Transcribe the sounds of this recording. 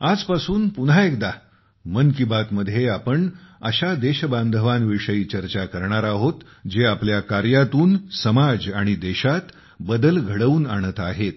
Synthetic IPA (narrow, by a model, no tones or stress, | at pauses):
ad͡zpasuːnpuɳɦaekd̪a | mənkibat̪məd̪ʱːjeapəɳəɕad̪eɕband̪ʱəʋanʋiʂəiːt͡ɕəɾt͡ɕakəɾɳaɾaɦot̪ | d͡ʑeapljakaɾjat̪uːnsəmad͡zaɽ̃id̪eɕat̪ | bəd̪əlɡʱəɽəuːnaɽ̃ət̪aɦet̪̚